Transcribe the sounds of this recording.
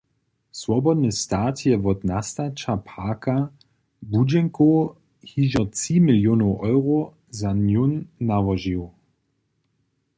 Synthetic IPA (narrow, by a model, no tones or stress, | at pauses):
swɔbɔdnəstaːtʰjɛvɔtnastat͡ʃapʰaka | bud͡ʒɛŋko | hiʒɔt͡siːmiljoːnoʔɔʏʁo | zanjunːavɔʒiw